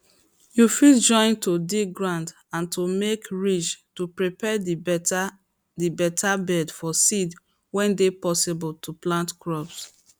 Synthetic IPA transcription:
jufild͡ʒɔ̃ɪ̃ntodiɡɹãnd | ãntʰumekɹit͡ʃtupɹipɛ | dibɛtʰabɛdfɔsid | wɛ̃ndepɔsɪbɔltʰuplãntkɹɔps

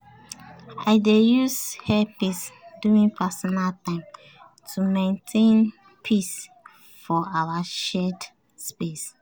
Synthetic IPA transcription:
aɪdejushɛpisduĩŋpʰasɔnaltãɪ̃m | tʰumẽntʰẽn | pʰis | fɔʔawaʃɛd | spes

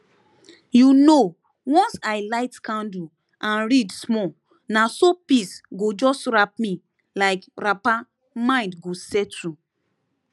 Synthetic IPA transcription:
juno | wɔ̃nsaɪlaɪtkãndu | ʔãnɹidsmɔ | nasopisɡod͡ʒɔsɹap̚mĩ | laɪkɹapa | mãɪ̃ndɡosɛtɹu

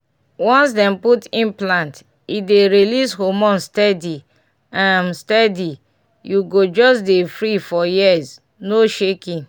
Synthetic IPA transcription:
wɔ̃nsdɛ̃mputĩnplãnt | ideɾilishomɔ̃nstɛdi | ãmstɛdi | juɡod͡ʒɔsdefɾifɔjiz | noʃekĩn

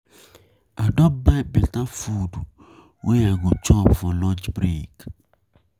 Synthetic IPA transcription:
adɔbabetãfudu | wʔejaɡot͡ʃɔvɔ̃lɔd͡ʒbɾik

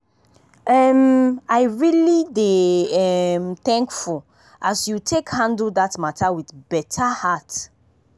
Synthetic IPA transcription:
ɛmaɪɹilideɛmθɛ̃ŋkfu | ʔasjutʰekhãndl̩datmatʰawiθbɛtʰahat

